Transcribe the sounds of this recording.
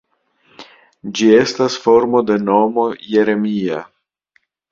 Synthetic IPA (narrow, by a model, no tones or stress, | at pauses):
d͡ʒie̞stasfo̞ɾmo̞de̞no̞mo̞je̞ɾe̞mia